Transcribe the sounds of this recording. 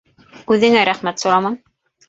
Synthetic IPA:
ʉðɘ̆ŋæɾæχmæt̪sŏɾɑmɑn

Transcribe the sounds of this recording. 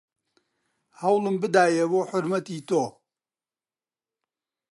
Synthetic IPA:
hɐwlɨmbɨd̪aːjɛboːħʊɾmɐt̪iːt̪oː

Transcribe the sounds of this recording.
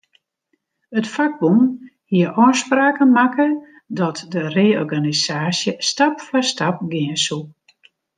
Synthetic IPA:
ətfaɡ̚bumhiəɾʔɔːspraːkəmakə | dɔtdəreːɔrɡanisaːsjəstapfɔstap̚ɡɪənsu

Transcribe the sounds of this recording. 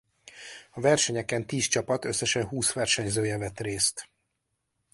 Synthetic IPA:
ɒvɛrʃɛɲɛkɛnt̪iːst͡ʃɒpɒt̪ø̞sːɛʃɛnɦuːsʋɛrʃɛɲzøːjɛvɛt̪reːst̪

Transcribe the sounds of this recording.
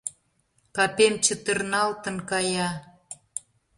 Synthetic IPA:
pɑpemt͡ɕə̆t̪ə̆rnɑlt̪ə̆nkɑjɑ

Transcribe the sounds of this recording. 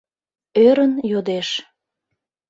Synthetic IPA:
øɾənjod̪eʃ

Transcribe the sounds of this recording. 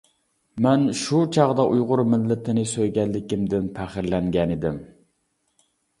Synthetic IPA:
mɛnʃut͡ʃʰɑʁd̪ɑʔujʁʊɾmɪlːɪt̪ʰɪnɪsøjɡʲɛnlːɪkʲimd̪ɪnpʰæχɪɾlɛŋɡʲɛnɪd̪ɪm

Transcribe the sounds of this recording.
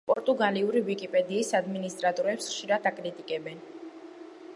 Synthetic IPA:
pʼɔɾt̪ʼuɡaliuɾivikʼipʼɛd̪iːsad̪minist̪ʼɾat̪ʼɔɾɛpsχʃiɾad̪akʼɾit̪ʼikʼɛbɛn

